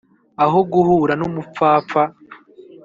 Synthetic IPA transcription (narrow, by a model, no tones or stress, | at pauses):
aɦoɡuhuːɾanumup͡faːfa